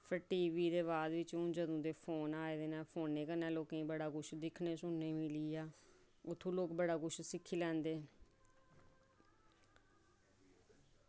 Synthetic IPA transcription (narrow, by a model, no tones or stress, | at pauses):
pʰəʈiːʋiːd̪eːβaːd̪ʋɪt͡ʃũːd͡ʒəd̪õːd̪eːpʰoːnaːeːd̪eːnaːpʰoːnːeːkənɛːloːkẽĩːbəɽaːkʊʃd̪ɪkʰneːsʊnːẽːmɪliːaː | ʊt̪ʰːõːloːkbəɽaːkʊʃsɪkʰːiːlɛ̃ːnd̪eː